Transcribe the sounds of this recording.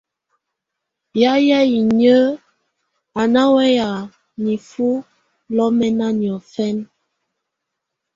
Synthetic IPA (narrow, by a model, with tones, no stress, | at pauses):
ja˦ja˦i˨ɲə˦ | a˨na˦wɛ˦ja˨ | ni˨fu˦ | lɔ˦mɛ˦na˦ni˨ɔ˨fɛ˦n